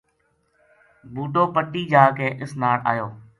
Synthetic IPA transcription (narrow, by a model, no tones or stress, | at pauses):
buːɖoːpəʈiːd͡ʒaːkẽːʔɪsnaːɽa̰ːjoː